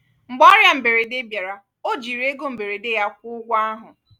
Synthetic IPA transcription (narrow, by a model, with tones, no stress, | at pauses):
ŋ͡m̩˨ɡ͡bɔ˦ɾja˦m̩˨be˨ɾe˨de˦bja˨ɾa˨ | o˦d͡ʒi˨ɾe˦ɡo˦m̩˨be˨ɾe˨de˦ja˦kʷʊ˦ɡʷa˦a˦ɦʊ˨